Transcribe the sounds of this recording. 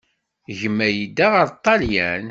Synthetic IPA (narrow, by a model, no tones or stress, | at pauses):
ʝəmːæjid̪ːaʁəɾˤt̪ˤːɑljæn